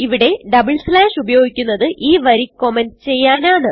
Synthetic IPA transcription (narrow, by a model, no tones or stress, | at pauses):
iʋiɽe̞ɖɐbɨɭslaːʂubɐjo̞ːɡikʲːunːɐðɨʔiːʋɐɾikːo̞menɖt͡ɕe̞jːaːnaːɳɨ